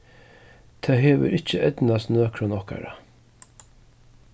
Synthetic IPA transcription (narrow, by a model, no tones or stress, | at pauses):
t̪ʰaːɦeːʋə̰ɾɪt͡ʃːəʔɛt̪nast̪nøːkʰɾɔnɔhka̰ɾa